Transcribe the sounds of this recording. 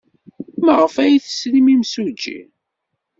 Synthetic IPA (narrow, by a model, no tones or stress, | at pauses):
məʁəfæjiθə̥sɾimimsud͡ʒːḭ